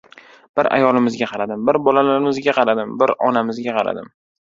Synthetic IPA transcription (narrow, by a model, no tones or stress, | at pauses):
b̥ɪɾa̰jɒlˠɪmɪzɡʲaqʰɑɾad̪ɪmbɪɾbɒlalaɾɪmɪzɡʲaqʰɑɾad̪ɪmbɪɾɒnamɪzɡʲaqʰɑɾa̰d̪ɪm